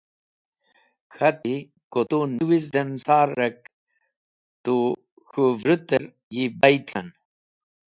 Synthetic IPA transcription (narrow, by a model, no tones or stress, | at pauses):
kʰɐt̪i | kot̪oniwizd̪ɐnsaːɾːɐk̚ | t̪u | xuvɾɨt̪əɾ | jibɐjt̪ʰɐn